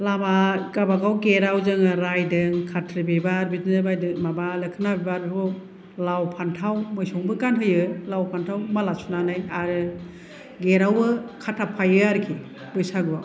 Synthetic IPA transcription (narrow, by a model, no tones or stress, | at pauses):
lamaɡabaɡawɡeɾawzɯŋaɾajdɯŋkʰatʰɾibebaɾbitnɯbajdɯmabalɯkʰɯnabebaɾbipʰɔ | lawpʰantʰawmɯjsɔŋbɯkanɦɯjɯlawpʰantʰawmalasunanajaɾɯ | ɡeɾawɯkʰatʰapʰajɯaɾkʰi | bɯjsaɡɯba